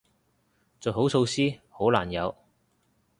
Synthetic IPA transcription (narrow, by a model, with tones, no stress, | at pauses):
t͡soː˨˩ɦo˨˥wso˧wsiː˥ho˨˥wlaː˨˩njɐ˨˧w